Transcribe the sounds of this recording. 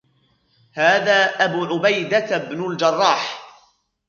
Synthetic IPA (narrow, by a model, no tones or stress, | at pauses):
haːðaːʔabuːʕʊbajd̪abnʊld͡ʒɑrˤːɑːħ